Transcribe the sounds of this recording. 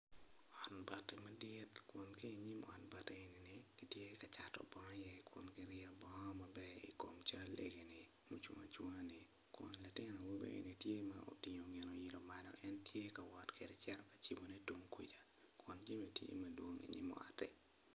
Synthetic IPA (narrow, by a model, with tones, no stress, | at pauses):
ɔ˨nba˨tːɪ˨mɐ˦dɪ˦tkwʊ˨nke˦iɲi˦mɔ˨nba˦teː˨ni˨nɪ˨ɡ̥i˦tje˦kat͡ʃa˨tɔ̰˨bɔ˦ŋɔ˦jɛ˦kwʊ̰˨nkɪ˦ɾɪa˦bɔ˦ŋɔ˦mɐ˨bɛ˦ḭ˨ko˨mt͡ʃa˦lḛɡe˨nɪ˨ | mo˨t͡ʃwŋa̰˨t͡ʃwoŋa˦nɪ˨ | kʊ̰˨nla˨tɪ˦nɔ˨wo˦bḛ˦ʔḛ˨ni˨tje˦ma̰o̰˨tɪ˨ɲo˨ŋɛ˨no˨jɪ˨lo˨ma˨dɔ̰˨ɛ˦ntje˦ka˨wɔ˨tke˨dɛ˨t͡ʃɛ˦ɾɔ˨kḁ˨t͡ʃi˨bo˨ne˦tu˦ŋkḭ˨d͡ʒa˨ | kwʊ˨nd͡ʒe˦me˨tjḛ˦mɐdwo˦ŋḭ˨ɲḭ˦mɔ̰˨a̰˨tɛ˨